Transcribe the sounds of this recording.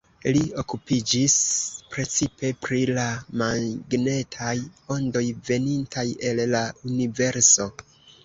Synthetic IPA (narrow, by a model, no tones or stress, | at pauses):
lio̞kupid͡ʒispɾe̞t͡sipe̞pɾilamaɡne̞tʰajo̞ndo̞jve̞nintʰaje̞lːaunive̞ɾso̞